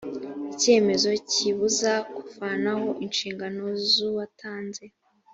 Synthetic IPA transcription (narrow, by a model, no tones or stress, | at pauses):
ice̞ːme̞zo̞ciβuzakufanaho̞ʔinʃiːŋɡano̞zuwatʰaːnze̞